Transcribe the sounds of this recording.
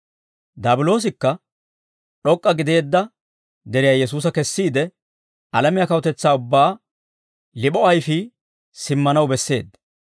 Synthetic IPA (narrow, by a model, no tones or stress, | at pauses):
d̪aːbʊlo̞ːs̬ɪkːɐ | ɗɔkʼːɐɡɪd̪e̞ːd̪ːɐ | d̪ɛɾɪjaːjɛs̬uːsɐkɛsːiːd̪ɛ | ʔɐlɐmɪjɐkɐwɔt̪ɛt͡sːaːʊbːaː | lɪɓɔɐjfi | sɪmːɐnɐwbɛsːe̞ːd̪